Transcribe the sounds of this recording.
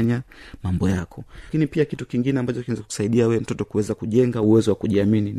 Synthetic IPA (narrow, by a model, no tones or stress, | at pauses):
ɲamambɔjakʰɔkinipiakitukiŋɡinɛambat͡ʃɔkiwɛnzaku̥saiɗiauɛɛm̩tɔtɔkuwɛzakuʄɛŋɡauwɛzɔwakuʄiaminin